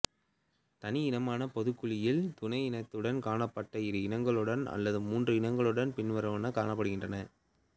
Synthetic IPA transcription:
t̪ɐnɪɪnɐmaːnɐpɔðɯkːɯɭɪjɪlt̪ʊnɐɪɪnɐt̪ːɯɽɐnkaːɳɐpːɐʈːɐɪɾɯɪnɐŋɡɐɭɯɽɐnɐ̰lːɐðɯmuːndrɯɪnɐŋɡɐɭɯɽɐnpɪnʋɐɾɐʋɐnɐkaːɳɐpːɐɽɯɣɪndrɐnɐ

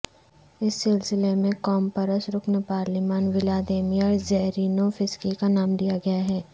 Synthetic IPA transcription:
ɪsːɪlsɪlemẽkɔːmpɐɾəsɾʊknəpaːɾlimaːnʋɪlaːd̪eːmiɔːɾzɛɦɾiːnofɪskikanaːmd̪ijaɡɐjaɦɛː

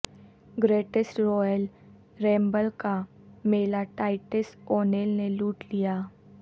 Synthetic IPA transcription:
ɡɾeːʈesʈɾɔːjəl | ɾɛ̃ːmbəlka | meːlaʈaːɪʈesoːneːlneluːʈlijaː

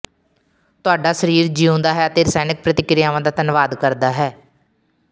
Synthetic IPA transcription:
t̪ʊaːɖaːsəɾiːɾd͡ʒiːʊ̃nd̪aːɦɛːət̪eːɾsaːnɪk̚pɾət̪ɪkɾɪjãːʋãːd̪aːt̪ənʋaːd̪kəɾd̪aːɦɛː

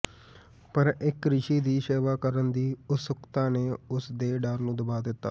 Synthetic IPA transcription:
pəɾɪkɾɪʃiːd̪iːseːʋaːkəɾənd̪iːʊsʊkt̪ãːneːʊsd̪eːɖəɾnũːd̪əbaːd̪ɪt̪ːaː

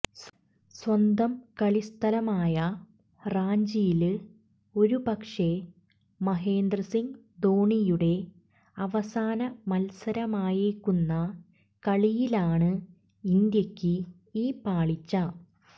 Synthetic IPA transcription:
s | swɐnd̪ɐmkɐɭist̪ʰɐlɐmaːjɐ | raːɲd͡ʑijilɨ | o̞ɾupɐkʂe̞ | mɐɦe̞ːnd̪rɐsiŋ | d̪oːɳijuɽe̞ | ɐʋɐsaːnɐmɐlsɐɾɐmaːjiɾkːunːɐ | kɐɭijilaːɳɨ | ind̪jɐkʲːɨ | iːpaːɭit͡ɕːɐ

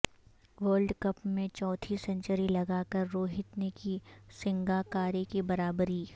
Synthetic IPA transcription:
ʋəːlɖkɐpmẽt͡ʃɔːt̪ʰisɐ̃ɲt͡ʃəɾilɐɡaːkɐɾːoːɦɪt̪nekisɪ̃ŋɡaːkaːɾekibɐɾaːbɾiː

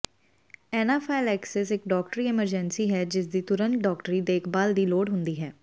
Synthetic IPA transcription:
ɛːnaːpʰaɪlɛːksɛsɪk̚ɖɔːk̚ʈɾiːɪməɾd͡ʒɛnsiːɦɛːd͡ʒɪs̬d̪iːt̪ʊɾəntɖɔːkʈəɾiːd̪eːkʰbaːld̪iːloːɽɦʊnd̪iːɦɛː

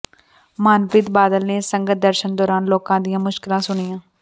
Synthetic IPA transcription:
maːnpɪt̪baːd̪əlneːsəŋɡət̪̚d̪əɾʃənd̪ɔːɾaːnloːkãːd̪ɪjãːmʊʃkɪlãːsʊɳijãː

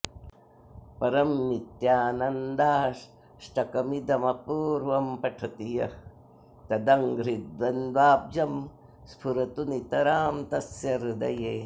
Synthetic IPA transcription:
pɐɾɐmːit̪jaːnɐnd̪aːʂ | ʃʈɐkɐmid̪ɐmɐpuːɾʋɐmpɐʈʰɐt̪ijɐ | t̪ɐd̪ɐŋɡɾid̪ʋɐnd̪ʋaːb̚d͡ʒɐm | spʰuɾɐt̪unit̪ɐɾaːmt̪ɐsjɐɾd̪ɐ̰jeː

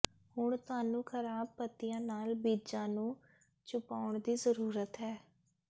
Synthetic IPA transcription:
hʊɳt̪ʊaːnũːkʰəɾaːb̚pət̪ːijãːnaːlbiːd͡ʒãːnũː | t͡ʃʊpaːʊɳd̪iːzəɾuːɾət̪ɦɛː

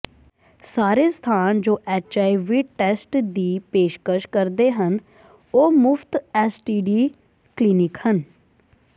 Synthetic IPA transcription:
saːɾeːst̪ʰaːnd͡ʒoːʔɛːt͡ʃaːiʋiːʈɛːsʈd̪iːpeːʃkəʃkəɾd̪eːɦən | oːmʊfʰt̪ɛːsʈiːɖiː | kliːnɪkhən

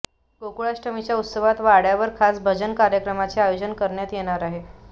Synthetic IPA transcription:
ɡokuɭasʈəmit͡ɕjaut̪səʋat̪ʋaɽjaʋəɾkʰasbʱəd͡ʑənkaɾjəkɾəmat͡seajod͡ʑənkəɾɳjat̪jeɽ̃aɾaɦe

